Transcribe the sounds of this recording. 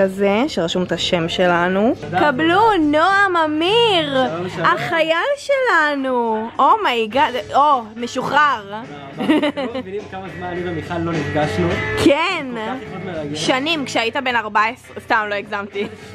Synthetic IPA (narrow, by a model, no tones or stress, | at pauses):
azeʃeʁaʃumt̪aʃe̞mʃelanukablunoamamiʁaχajalʃelanuomaiɡadomeʃuχaʁ | nimkamazmanibamiχalːonifɡaʃnukʰenameaʃanimkʃeaitabe̞naʁbaesʁestaːmlo̞iɡzamti